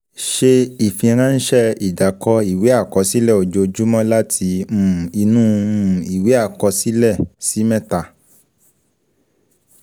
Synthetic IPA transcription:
ʃe˧i˨fĩ˧ɾ̃ã˦n̩˦ʃɛ˦i˨da˨kɔ˧i˨we˨˦a˦˨kɔ˧˦si˦lɛ˦˨o˨d͡ʒo˧d͡ʒu˦mɔ̃˦la˦tʰi˧˦m̩̃˨i˧nũ˦˧˨i˨we˨˦a˦˨kɔ˧si˦lɛ˦˨si˨˦mɛ̃˦˨ta˧˨

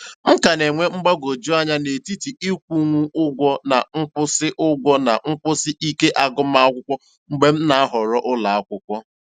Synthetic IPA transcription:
m̩˦ka˨ne˨ŋʷe˦ŋ͡m̩˦ɡ͡ba˦ɡʷo˨d͡ʒʊ˦a˦ɲa˦ne˨ti˦ti˨i˦kʷu˦ŋʷu˦ʊ˦ɡʷɔ˦na˨ŋ͡m̩˦k͡pʊ˦sɪ˦ʔʊ˦ɡʷɔ˦na̰˨ŋ͡m̩˦k͡pʊ˦sɪ˦ʔi˦ke˦ʔa˨ɡʊ˦ma˦a˦kʷʊ˦kʷɔ˦ | ŋ͡m̩˨ɡ͡be˦m̩˦na˨a˦ɦɔ˨ɾɔ˦ʔʊ˦la˨a˦kʷʊ˦kʷɔ˦

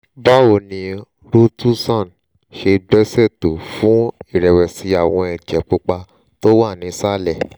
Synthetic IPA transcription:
ba˦˨wo˨nĩ˧ | ɾu˦tu˦sɔ̃˦˨n | ʃe˧dɛ˦sɛ˦˨to˨fũ˦i˦˨ɾɛ˨wɛ˨si˨˦a˨w̃ɔ̃˧ɛ˨d͡ʒɛ˨k͡po˧k͡pa˧ | to˦wa˦˨nĩ˨˦sa˦lɛ˦˨

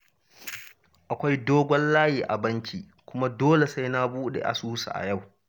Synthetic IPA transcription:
ʔa˨kʷa˦jdoː˦ɡʷɔ˦nlaː˦jiː˨ʔa̰˨bɐ˦ŋkʲiː˨ | kʷʊ˦ma˦doː˦le˨sa˦jna˦buː˦ɗḛ˨ʔa̰˨suː˦sa̰˨ʔa̰˨jɐ˦˨w

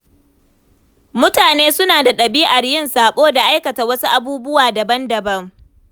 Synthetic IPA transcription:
mʊ˦taː˨neː˦sʊ˦naː˨da˨ɗɐ˨biː˦ʔa˨ɽjɪ˦nsaː˨ɓoː˦da˨ʔa˦jkɐ˨taː˨wɐ˦su˦ʔa˨buː˦bʊ˦waː˨dɐ˨bɐ˦ndɐ˨bɐ˦ŋ

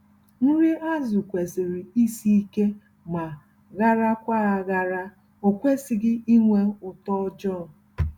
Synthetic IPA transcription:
n̩˦ɾi˦a˦zʊ˨kʷe˨sɪ˨ɾɪ˨i˦si˦i˦ke˦ | ma˨ | ɣa˦ɾa˦kʷa˦˨ɣa˦ɾa˦ | o˨kʷe˦sɪ˨ɡɪ˦i˦ŋʷe˦ʊ˨tɔ˦ɔ˦d͡ʒɔ˦˨

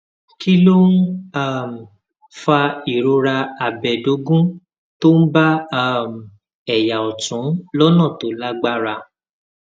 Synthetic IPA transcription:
ki˦lo˦n̩˦a˦˨m̩˨ | fa˧i˨ɾo˧ɾa˧a˨bɛ˨do˨˦ɡũ˦ | to˦n̩˦ba˦a˦˨m̩˨ | ɛ˨ja˨ɔ˨tũ˨˦lɔ˦nã˦˨to˨˦la˦ɡ͡ba˦ɾa˧

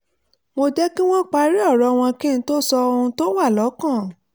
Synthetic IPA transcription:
mo˧d͡ʒɛ˦ki˦w̃ɔ̃˦k͡pa˧˦ɾi˦ɔ˦˨ɾɔ˨˧˦w̃ɔ̃˧kĩ˦nĩ˧˦to˦sɔ˧o˧ũ˧to˦wa˦˨lɔ˨˦kã˦˨

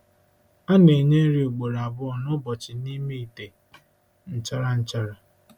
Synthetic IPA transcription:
a˦ne˨ɲe˦n̩˦ɾi˦o˨ɡ͡bo˨ɾa˨bʊ˦ɔ˦˨nɔ˦bɔ˨t͡ʃɪ˨ni˦me˦i˨te˨ | n̩˦t͡ʃa˦ɾa˦n̩˦t͡ʃa˦ɾa˨

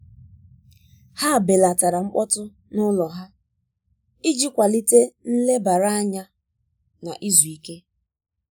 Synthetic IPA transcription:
ha˦˨be˨la˨ta˨ɾa˨ŋ͡m̩˦k͡pɔ˦tʊ˦ | nʊ˦lɔ˨ɦa˦ | i˦d͡ʒi˦kʷa˨li˦te˦n̩˦le˦ba˨ɾa˦a˦ɲa˦ | na˨ʔi˦zu˨i˨ke˦

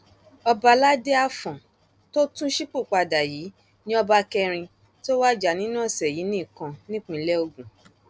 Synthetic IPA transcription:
ɔ˧ba˧la˦de˦a˧fɔ̃˨ | to˦tũ˦ʃi˦k͡pu˦˨k͡pa˨da˨jiː˨˦ | nĩ˦ɔ˦ba˧kɛ˧ɾ̃ĩ˧ | to˦wa˦d͡ʒa˨nĩ˦nũ˦˨sɛ˨ji˨˦nĩ˦˨kã˧nĩ˦k͡pũ˦i˨˦lɛ˦o˧ɡũ˨

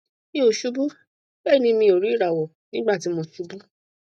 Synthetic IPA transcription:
ĩ˦˧o˨ʃu˦bu˦ | bɛ˦˨nĩ˧mĩ˧o˨ɾi˦i˦˨ɾa˨wɔ˨ | nĩ˦ɡ͡ba˦˨ti˨˦mo˧ʃu˨˦bu˦

